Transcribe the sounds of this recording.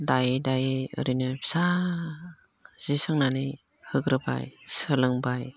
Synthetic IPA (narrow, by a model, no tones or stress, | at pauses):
dajedajeɯ̰ɾinɯsa | z̥isɯŋnani | hɯɡɾɯba̰jsɯlɯŋbaj